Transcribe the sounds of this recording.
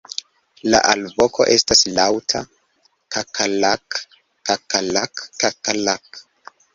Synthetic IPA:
la̰ʔalbokʰo̞̰ʔe̞staslawtʰa | kʰakʰalakː | akalakkakalak

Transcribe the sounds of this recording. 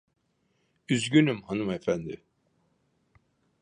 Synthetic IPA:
yzɟynymhanɯmɛfænd̪ɪ

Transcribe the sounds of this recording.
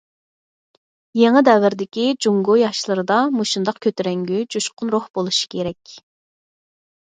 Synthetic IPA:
jeŋɨd̪ɛvɪɾd̪ɪkʲid͡ʒuŋɡojɑʃlˠɨɾɨd̪ɑmuʃund̪ɑqkʲʰøt̪ɪɾɛŋɡʲyd͡ʒuʃqʊnɾohbolˠuʃi̥kʲʰeɾɛkʲ

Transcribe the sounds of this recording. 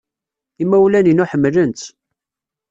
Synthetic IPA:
imæwlæninʊħəmːlənt̪

